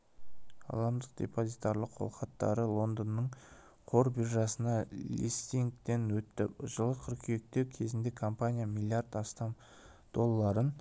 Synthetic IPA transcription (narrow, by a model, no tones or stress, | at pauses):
ɑ̰lˠɑmd̪əq̚d̪̥ʲe̞̰po̞zit̪aɾlˠəqʰːo̰lˠqɑt̪ːɑ̰ɾəlˠo̞nd̪ənːəɴ | qʰo̞ɾbiɾʒɑsənɑlʲḭst̪iŋkt̪e̞nwɵt̪ːɪpʒəlˠəqʰʏɾkʲʰyjek̚t̪e̞wkʲʰe̞zɪnd̪e̞kʰo̞mpanʲijamilʲːijard̪ɑst̪ɑm | d̪̥o̞lˠːɑɾən